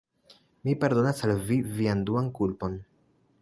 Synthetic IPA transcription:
mipaɾdo̞nasalvivianduankulpo̞n

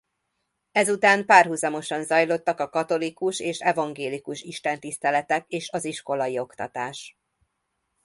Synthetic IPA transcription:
ɛzut̪aːmpaːrɦuzɒmo̞ʃɒnzɒjlo̞t̪ːɒkɒkɒt̪o̞likuʃeːʃɛvɒŋɡeːlikuʃiʃt̪ɛnt̪ist̪ɛlɛt̪ɛkeːʃɒziʃko̞lɒjio̞kt̪ɒ̰t̪aːʃ

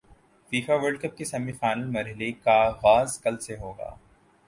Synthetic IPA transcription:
fiːfaʋəɾɖkɐp̚kesɐmifaːɪnəlmɐɾɦɪlekaɦaːzkɐlseɦoːɡa̰ː

